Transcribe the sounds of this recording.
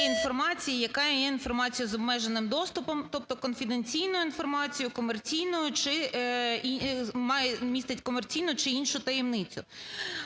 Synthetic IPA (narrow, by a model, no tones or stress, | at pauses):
infɔrmɑt͡sʲijijɐkɑjɛjɛinfɔrmɑt͡sʲijʊzɔbmɛʒenɪmd̪ɔst̪ʊpɔmt̪ɔp̚t̪ɔkɔnfʲid̪enʲt͡sʲijnʊjʊin̪fɔrmɑt͡sʲijʊkɔmert͡sʲijnʊjʊt͡ʃɪ | imɑjɛmʲist̪ɪtʲkɔmrt͡sʲijnʊt͡ʃɪinʃʊt̪ɐjɛmnɪt͡sʲʊ̰